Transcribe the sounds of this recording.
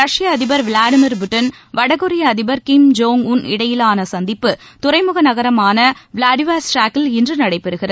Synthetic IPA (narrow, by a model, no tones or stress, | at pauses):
ɾɐʂɪjɐːðɪbɐɾʋlaːɽɪmɪɾbɯʈːɐn | ʋɐɽɐɣɯɾɪjɐːðɪbɐɾkɪmd͡ʒoːŋʊnɪ̰ɽɐjɪlaːnɐsɐnd̪ɪpːɯt̪ʊɾɐɪmɯɣɐnɐɣɐɾɐmaːnɐʋlaːɖɪʋaːsʈaːkːɪlɪndrɯnɐɽɐɪpːɛɾɯɣɪrɐð